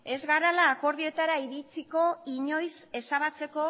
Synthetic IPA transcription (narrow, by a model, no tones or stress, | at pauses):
e̞zɣaɾalaːko̞ɾðio̞et̪aɾaiɾit͡siko̞iɲo̞jse̞saβat͡se̞ko̞